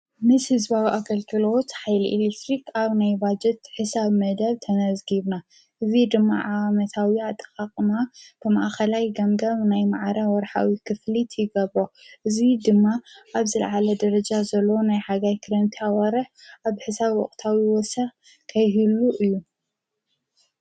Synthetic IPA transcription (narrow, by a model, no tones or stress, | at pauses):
mɨshɨzbawiʔakɐlk̪ʰɨlo̞t̪ħajliʔilekt̪ɾikaβnajbad͡ʒɛt̪ħɨsaβmɐd̪ɐβt̪ʰɐnɐzɡiβna | ʔɨzid̪ɨmːa̰ʕawamɐt̪ʰawiat̪ʼːɐ̥kʼaqʼɨmab̥ɨma̰ʔxɐlajɡɐŋɡɐβnajmaʕaɾawɔɾħa̰wikʰɨflit̪ʰjɪɡɐβɾoʔɨzid̪ɨmːaʔaβzɨlʕalɐd̪ɐɾɐd͡ʒazɐlːɐwonajħaɡajkʰɨɾɐnt̪ʰiawaɾɨħaβħɨsaβwɔ̰χʼt̪ʰawiwɔsɐx | kʰɐjɦɨluʔɨjːu